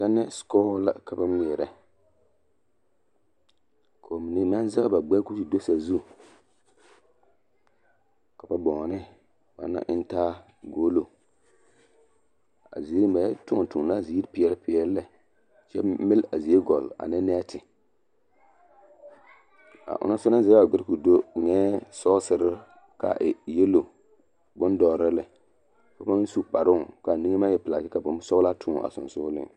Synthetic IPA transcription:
sa˦nɛ˦skɔ˦hʊ˦la̰˨ka˨ba˦m˦i˨ɛ˨ɾɛ˨ | kʰo˨mi˨ni˨m˦a˦n˦za˦ɣba˨ɡ͡bɛ˦ku˦ti˨do˦sa˨zu˦ | ka˨ba˨bɔ˨ŋ˨nɪ˦ | ba̰˨na̰˦ʔɪ˦n˦taː˦ | ɡo˦lo˨ | a̰˨zi˨˦ɾba˨ja˦tʊ˦˨tu˨na˦˨zi˨i˦ɾpɪ˦ɛ˦lpɪ˦ɛ˦lːɛ˦ | t͡ʃɛ̰˦mɪ˦la˨zi˨e˦ɡɔ˨la̰˨nɪ˦nɛː˦tʰɪ˨ | a̰˨ʔʊ̰˨na˦sʊ˦na˦zɛ˨˦a˨ɡɪ˦ɾku˨do˦ɲɛː˦sɔ˦sɪ˨ɾɪ˦ | ka̰˨ʔɪ˨jɛ˦lo˨ | bʊ˦n˦dɔː˨ɾɪ˦lɪ˨ | ka˨ba˦n˦su˦k͡pa˨ɾʊ˦˨ka˨ni˦ŋe˦ma˦jɛ˦pla˨kɪ˦ka˨bʊ˨˦m˦sɔ˦la˦tʰʊ˦˨a̰˨sʊ̰˨nsʊ˦lɪ̰˦

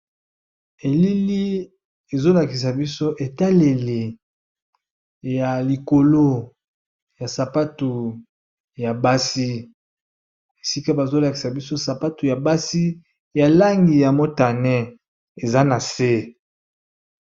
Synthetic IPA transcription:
e˨li˦li˦ | e˨zo˦la˨ki˨s̬a˨bi˦so˦ʔe˨ta˦le˨le˨ | ja˨li˨ko˨lo˦ | ja˨sa˨pa˦tu˨ | ja˨ba˦si˦ | e˨si˦ka˦ba˨zo˦la˨ki˨sa˨bi˦so˦sa˨pa˦tu˨ja˨ba˦si˦ | ja˨la˦ŋɡi˨ja˨mo˦ta˨nɛ˦ | e˨za˦na˨se˦

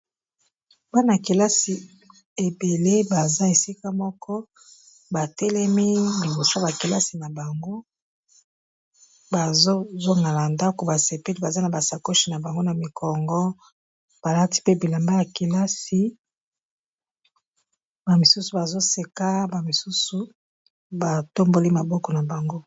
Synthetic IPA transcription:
ba˦na˨ki˨la˦si˨ | e˨be˨le˦ba˨za˦e˨si˦ka˦mɔ˦kɔ˦ | ba˨tɛ˦lɛ˦mi˦li˨bo˨sa˦ba˨ke˨la˦si˨na˨ba˨ŋɡo˦ | ba˨zo˦zo˦ŋɡa˨la˨nda˦ko˨ba˨se˨pe˦li˦ba˨za˦na˨ba˨sa˨ko˦ʃi˨na˨ba˨ŋɡo˦na˨mi˨kʰɔ˨ŋɡɔ˦ | b̥a˨la˦ti̥˦pe˦bi˨la˨mba˦ja˨ki˨la˦si˨ | ba˨mi˨su˦su˨ba˨zo˦se˨ka˦ba˨mi˨su˦su˨ | ba˨to˦mbo˦li˦ma˨bɔ˦kɔ˨na˨ba˨ŋɡo˦

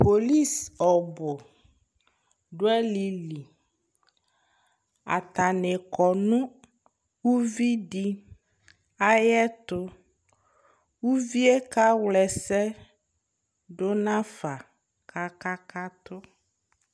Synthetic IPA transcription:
po˨li˦˨sɔ˨bʊ˨ | ɖʊ˦ɛ˦li˨li˨ | a̰˨t̪a˨nɪ˨kɔ˨nʊ̃˦ | wu˦vi˦ɖi˦ | a˦jɛ˦t̪ʊ˦ | wu˦vi˦e˦ka˦wlɛ˨sɛ˦ | ɖʊ˦nã˦fa˨ | kʰa˦ka˦ka˦t̪ʊ˦

